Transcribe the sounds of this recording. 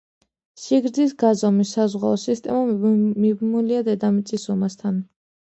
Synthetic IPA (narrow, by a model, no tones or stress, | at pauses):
ʃiɡɾd̪zisɡazɔmisːazʁaɔsist̪ʼɛmamibmuliad̪ɛd̪amit̪sʼisɔmast̪ʰan